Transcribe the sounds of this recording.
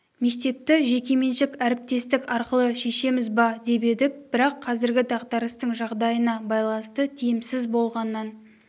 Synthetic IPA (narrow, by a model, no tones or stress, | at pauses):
me̞k̚t̪e̞p̚t̪ɪʒe̞kʲe̞me̞nʃɪkæɾɪp̚t̪e̞st̪ɪkɑɾqəlˠəʃe̞ʃe̞mɪzbɑd̪e̞pe̞d̪ɪp̚b̥ɪɾɑqʰːɑzɪɾɡʲɪd̪ɑʁd̪ɑɾəst̪əɴʒɑʁd̪ɑjənɑbɑjlˠɑnəst̪ət̪ʰijɪmsɪzbo̞lˠʁɑnːɑn